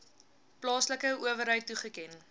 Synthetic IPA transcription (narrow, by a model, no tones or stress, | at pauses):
plɑːsləkəuəvəɾɦəjtːuχəkɛn